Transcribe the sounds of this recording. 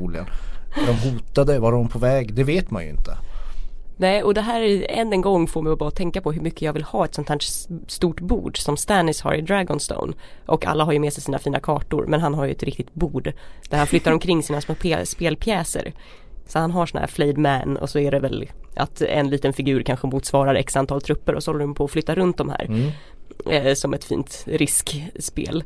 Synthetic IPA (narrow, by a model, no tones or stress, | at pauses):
ulɪə̰nd̪ɔmɦuːt̪ad̪əvaɾdɔmpʰɔvɛːɡd̪ɛveːt̪ma̰nj̰ɪ̰nt̪ə | nɛːɔd̪ɛɦæːɾɛnːɛnɡɔŋːfoːɾmɛɪbɑːt̪ʰɛŋkapʰɔɦɵɾmʏkʰːəjɑːɡvɪlhɑːɛt̪sɔnt̪hæːʈst̪uːʈbṵːɖsɔmst̪ænːɪsha̰ɾʔɪd̪ɾæɡɔnst̪o̰ʊnʔɔka̰lːaɦaɾjɵmeːsɛjsiːna̰fiːnakʰɑːʈʊ̰ɾmʔɛnɦanɦaɾjɵ̰ɛt̪ɾɪk̚t̪ɪt̪̚buːɖd̪̥æɾhanflʏt̪ːaɾɔmkʰɾɪŋːsiːnasmoːpʰeːspeːlpʰjɛːsə̰ɾ | sɔhanɦaʂɔn̰hæ̰ːɾflɛːd̪mænɔ̰sɔæɖɛvɛlʔa̰t̪ɛ̰nliːt̪ənfɪɡʉ̟ːɾkʰanɧəmuːt̪svɑːɾaɾɛ̰ksant̪ʰɑːlt̪ʰɾɵpːəɾʔɔsɔhɔlːəɾɔmpʰɔːflʏt̪ːaɾɵnt̪̚d̪ɔmhæ̰ːɾ | sɔmɛt̪fḭːnt̪ɾɪskspḛːl